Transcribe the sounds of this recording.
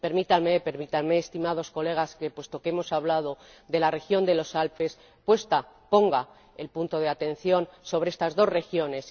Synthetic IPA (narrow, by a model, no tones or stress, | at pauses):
pe̞ɾmit̪anmepe̞ɾmit̪anmeːst̪imað̞o̞sko̞le̞ɣ̞aske̞pwe̞st̪o̞keemo̞saβlað̞o̞ | d̪e̞lare̞xjo̞nd̪elo̞salpe̞s | pwe̞st̪apo̞ŋɡa | e̞lpunt̪o̞ð̞e̞at̪e̞n̟θjo̞nso̞β̞ɾeest̪azðo̞sre̞xjo̞ne̞s